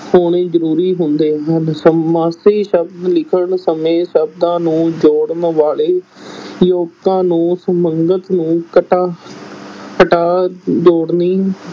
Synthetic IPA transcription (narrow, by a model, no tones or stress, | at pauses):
hoːɳeːzəɾuːɾiːɦʊnd̪eːɦənsəmaːseːʃəbd̪lɪkʰəɳsəmẽːsəbd̪ãːnũːd͡ʒoːɽnʋaːleːjoːt̪ãːnũːsəməŋɡət̪nũːkəʈaː | kəʈaːd͡ʒoːɽniː